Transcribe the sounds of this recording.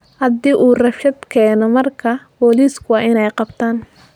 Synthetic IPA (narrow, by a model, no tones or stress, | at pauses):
hɐd̪iːʔuːrɐfʃɐd̪kʰɛːnɔmɐrkʰɐbɔːliːskʰʊɑːɪnɛjqɑbt̪ʰaːn